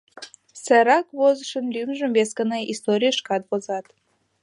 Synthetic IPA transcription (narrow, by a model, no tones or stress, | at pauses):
səɾɑkβozəʃənlymʒə̆mveskəneist̪oɾʲijəʃkɑt̪βozɑt̪